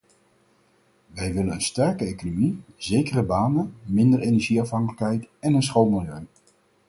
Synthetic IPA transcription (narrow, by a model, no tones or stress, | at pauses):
ʋɛjʋɪlənənstɛɹkəejkonomizejkərəbaːnəmɪndəɹejnɛɹʒiɑfɦɑŋkələkɦɛjtɛnənsχowmɪlˠjøɥ